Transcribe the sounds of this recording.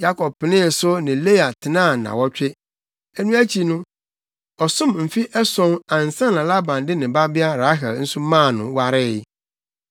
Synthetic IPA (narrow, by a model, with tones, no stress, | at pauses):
ja˦kʰɔ˨b̚pːɪ˨nɪ̃˦˨sʊ˦nɪ̃˨le˦a˨tʰɪ˨nãː˦˨nã̰˨wɔ˦t͡ɕᶣɪ˦ | ɛ˦nũ˦æ˦t͡ɕʰi˨nʊ̃˦ | ɔ˨sʊ̃˦mm̩˨fi˦ʔɛ˦sɔ̃˦nã˨n̩˨sã˦˨nã˨la˦bã˨ndɪ˦nɪ̃˨ba˦bɪ˦a˦ɾa˦ɦɛ˨ln̩˦sʊ˦mãː˦˨nʊ̃˨wa˦ɾɪ˦˨˦